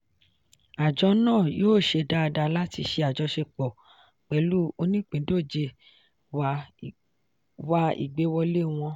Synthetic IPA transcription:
a˨d͡ʒɔ˧˦nãː˦˨joː˦˨ʃe˧da˦˧da˧la˦ti˧ʃe˧a˨d͡ʒɔ˧ʃe˧k͡pɔ˨ | k͡pɛ˧˦lu˦o˧nĩ˦k͡pĩ˨˦do˦˨d͡ʒe˧ | wa˧ | wa˧˦ḭ˨ɡ͡be˨˦wɔ˧le˦w̃ɔ̃˧

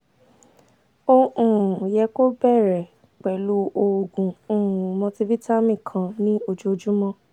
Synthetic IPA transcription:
o˧ũ˨jɛ˨˧ko˦bɛ˦˨ɾɛ˨ | k͡pɛ˨lu˨˦o˧˨ɡũ˨ũ˨mɔ̃˧ti˧vi˦ta˦mĩ˦˨kʰã˧nĩ˦o˧d͡ʒu˦o˧d͡ʒũ˦mɔ̃˧

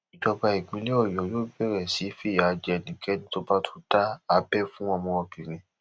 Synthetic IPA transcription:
i˨dɔ˧ba˧i˨ɡ͡bĩ˨˦li˦ɔ˦˨jɔ˨joː˦bɛ˦˨ɾɛ˨si˨˦fi˦˨ja˨˧d͡ʒɛ˧ɛ˧˨nĩ˨˦kɛ˦nĩ˦to˦ba˦tʰu̥˦ta˦a˨˦bɛ˦˨fũ˦ɔ̃˧mɔ̃˧ɔ̃˧bĩ˨ɾĩ˨˦

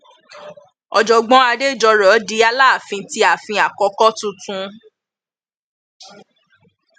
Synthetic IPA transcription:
ɔ˨d͡ʒɔ˨ɡ͡bɔ̃˧˦a˧de˦˨d͡ʒɔ˧ɾɔ˨˦di˧˦a˧laː˦˨fĩ˧ti˧˦a˨fĩ˧a˨kɔ˧˦kɔ˦tũ˦tũ˧˦

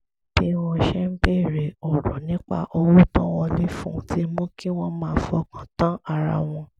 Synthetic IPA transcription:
b̥i˦wɔ̃˧ʃɛ˦m̩˦be˦˨ɾe˨ɔ˨ɾɔ˨nĩ˦k͡pa̰˧ʔo˧wu˦tɔ̃˦w̃ɔ̃˧li˦fṵ̃˦tʰi˦mũ˦ki˦w̃ɔ̃˦mãː˦˧˨fɔ˧kʰã˨tã˦a˧ɾa̰˧w̃ɔ̃˧

